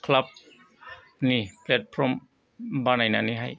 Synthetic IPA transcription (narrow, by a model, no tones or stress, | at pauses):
kʰlap̚ | niːplɛt̪̚pʰɾɔm | banajnaniːɦaj